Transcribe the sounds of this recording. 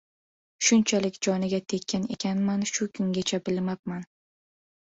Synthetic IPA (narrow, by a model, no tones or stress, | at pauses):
ʃʊnt͡ʃʰalɪkʲd͡ʒɒnɪɡʲat̪ʰe̞kʲʰːane̞̰kʲʰanmanʃʊkʰʊŋɡʲat͡ʃʰabɪlmap̚man